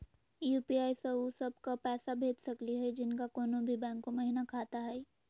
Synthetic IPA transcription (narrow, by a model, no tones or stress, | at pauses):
juːpiaːisɐosɐbkapɛːsabʱeːd͡ʒ̪sɐkliɦɛd͡ʒɪnkakoːnõbʱibɛ̃ːŋkːõmɐɦɪnakʰaːt̪aɦɛː